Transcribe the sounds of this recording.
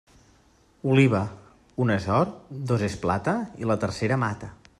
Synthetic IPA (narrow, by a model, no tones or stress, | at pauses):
uliβ̞ə | unezɔɾd̪ozesplat̪əilət̪əɾseɾəmat̪ə